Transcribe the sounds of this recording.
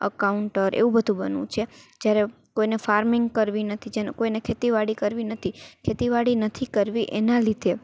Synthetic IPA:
ə̰kauɳʈəɾʔḛʋũbəd̪ʱũbənṵ̃t͡ʃʰed͡ʒjaɾe | koinefaɾmɪŋɡkəɾʋinət̪ʰid͡ʒenkoinekʰet̪iʋaɽikəɾʋinət̪ʰikʰet̪iʋaɽinət̪ʰikəɾʋiʔenalid̪e

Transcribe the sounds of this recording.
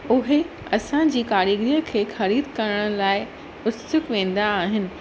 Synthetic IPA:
ʊɦe | ɐsãd͡ʑiːkaːɾiːɡɾijəkʰeːxɐɾiːd̪ʱkɐɾəɽ̃laːɪ | ʊst̪ʊkʋẽːn̆d̪aːɦɪnɪ̆

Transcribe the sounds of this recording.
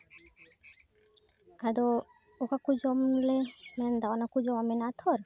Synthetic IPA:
ad̪ɔ | okakud͡ʒɔmlemɛnd̪awanakud͡ʒɔmamɛnat̪ʰɔɾ

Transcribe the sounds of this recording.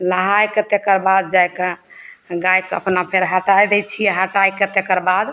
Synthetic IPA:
ləɦajkət̪ekəɾbad̪̚d͡ʒajkẽ | ɡajt̪ə̰pnapʰeɾɦəʈajd̪ɛt͡ʃʰijɛɦəʈajkət̪ekəɾbad̪

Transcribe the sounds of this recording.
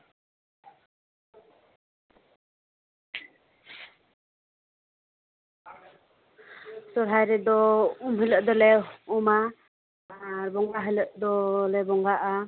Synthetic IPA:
sɔɾɦajɾɛd̪ɔumɦiləʔd̪ɔlɛɔma | aɾbɔŋɡaɦələʔd̪ɔlɛbɔŋɡaʔa

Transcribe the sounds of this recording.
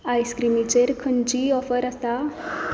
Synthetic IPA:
ajskɾimit͡seɾkʰənd͡ʑiɔfəɾasa

